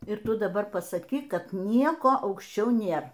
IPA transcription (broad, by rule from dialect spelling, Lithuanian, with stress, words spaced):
ɪr ˈtʊ dɐˈbɐr pɐsɐˈkʲiːk ˈkɐt ˈnʲiɛkoː ɐʊkʃʲˈt͡ʃʲɛʊ ˈnʲeːr